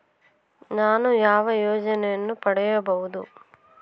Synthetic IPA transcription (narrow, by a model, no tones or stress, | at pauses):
naːnujaːʋɐjoːd͡ʒɐnɛjɐnːupɐɽɛjɐbɐɦud̪u